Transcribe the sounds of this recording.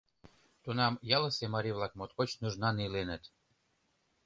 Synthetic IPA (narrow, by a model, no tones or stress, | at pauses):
t̪unɑmjɑlə̆semɑɾʲiβlˠɑk̚mot̪kot͡ɕnuʒnɑnilenə̆t̪